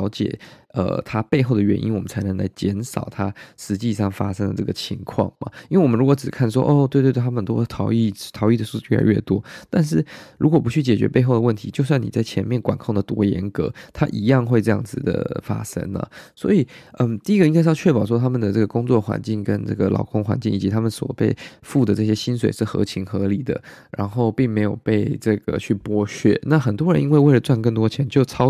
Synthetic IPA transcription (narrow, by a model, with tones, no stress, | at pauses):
ʊt͡ɕjɛ̰˨˩ə̰˩t̪ʰa˥pe˥˧ɪxo˥˩ʊd̪ə˩ɥɛ˧˦nʔḭ˥nwɔ˨˩mə˦nt͡sʰa˧˥nə˧˥ŋla˧˥ɪt͡ɕjɛ˧˥nʂɑ˨˩ʊt̪ʰa˥ʂɻ̩˧˥t͡ɕi˥˧ʂɑ˥˩ŋfa̰˥ʂə˥ŋdə˨ʈ͡ʂɤ˥˩ɡə˩t͡ɕʰi˧˥ŋkʰwɑ̰˥˩ŋma̰˩i˥we˥˩wɔ˨mə˦ɻu˧˥kwɔ˧˥ʈ͡ʂɻ̩˨˩kʰa˥˩nʂ̬wɔ̰˥ʔɔ˥˧t̪we˥˧t̪e˥˧˩ə˨˩t̪ɔ˥˩t̪ʰɑ˧˥ʊi˥˩t̪ʰɑ˧˥ʊi˥˩d̪ə˩ʂu˥˧ʂɥɛ̰˥˩˧ɥɛ̰˥˩t̪wɔ˥t̪a˥˧nʂ̬ɻ̩˥˩ɻu˧˥kwɔ˨˩p̬u˧˥t͡ɕʰy˥˩t͡ɕjɛ˨˩t͡ɕɥɛ̰˧˥pe˥˧ɪxo˥˩ʊə˩wə˥˩nt̪ʰi˧˥t͡ɕjo˥˧ʊswa˥˩ni˨˩t͡sa˥˩ɪt͡ɕʰjɛ˧˥nmjɛ˥˩nkwa˨˩nkʰo˥˩ŋd̪ə˩t̪wɔ̰˥jɛ̰˧˥nkɤ̰˧˥t̪ʰa̰˦˥ʔi˧˥jɑ˥˧ŋxwe˥˧ɪʈ͡ʂɤ˥˧jɑ˥˩ŋd͡zɹ̩˨˩d̪ə̰˩fa̰˥ʂə̰˥ŋlə̰˨˩swɔ̰˧˥i˨˩ə˥˩t̪i˥˩i˥ɡə˨i˥ŋa˥ɪʂ̬̩˥˧t͡ɕʰɥɛ˥˩pɑ˨˩ʊʂɔ˥t̪ʰa˥mə˨nd̪ə˩ʈ͡ʂɤ˥˩ɡə˩kʊ˥ŋt͡swɔ˥˩xwa̰˧˦nt͡ɕi˥˩ŋkə˦˥nt͡sɤ̰˥˩ɡə˩lʔɑ̰˨˩ʊkʊ˥ŋxwa̰˧˦nt͡ɕi˥˩ŋi˨˩t͡ɕi˧˥t̪ʰa˥mə˨nswɔ̰˨˩pe˥˧ɪfu˥˩d̪ə˩ʈ͡ʂɤ˥˩ɕ̬jɛ˥ɕi˥ns̬we˨˩ɪʂɻ̩˥˩xɤ̰˧˥t͡ɕʰi˧˥ŋxɤ˧˥li˨˩d̪ə̰˦ɻa̰˧˥nxo˥˧ʊpi˥˩ŋme˧˥ɪjo˨˩ʊpe˥˧ɪʈ͡ʂɤ˥˩ɡə̰˩t͡ɕʰy˥˩pwɔ˥ɕɥɛ̰˥˩na˥˩xə˨˩nt̪wɔ˥ɻə̰˧˦nʔi˧˥nwe˥˧ɪwe˥˩ɪlə˩t͡swa˥˧nkə˥˩ŋt̪wɔ˥t͡ɕʰjɛ˧˥nt͡ɕjo˥˩ʊt͡sʰɑ˥ʊ